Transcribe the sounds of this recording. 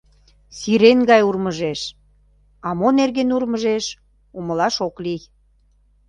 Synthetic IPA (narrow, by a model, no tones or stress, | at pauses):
siɾenɡɑjurməʒeʃ | ɑmonerɣenurməʒeʃ | uməlɑʃoklij